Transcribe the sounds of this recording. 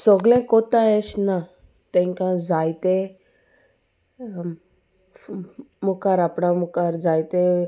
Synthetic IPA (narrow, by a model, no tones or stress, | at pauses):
sɔɡlẽkɔt̪aeɕna | t̪ɛ̃ŋkãd͡zajt̪e | mukaɾapɽamukaɾd͡zajt̪e